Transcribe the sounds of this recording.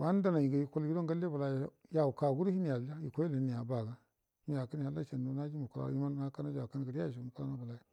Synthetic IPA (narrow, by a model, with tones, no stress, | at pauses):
wa˦n˦da˦na˨ji˨ɡa˨ji˨ko˦lɡi˦do˦ɡa˦le˦ba˨la˨jja˨u˨ka˨ɡu˦ɾhi˦ni˨ja˨˦a˦ji˨kʷo˦i˦la˨ni˨ja˨ba˨ɡa˦ | mi˦ja˨ka˦ni˨ha˦la˦t͡ʃa˨n˨u˨˦na˦d͡ʒi˦mu˨ku˦la̰˦i˦ma˦n˦a˦ka˦na˦d͡ʒa˨ka˦n˨ɡa˨ɾja˦˨ʃ̬i˨mu˨ku˦la˦na˦ba˨la˦ji˨